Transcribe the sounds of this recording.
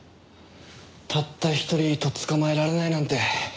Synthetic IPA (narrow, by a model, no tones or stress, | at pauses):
t̪ʰat̪ːaçi̥t̪o̞ɾʲit̪o̞t͡sɨ̥kamae̞ɾaɾe̞nainãnt̪e̞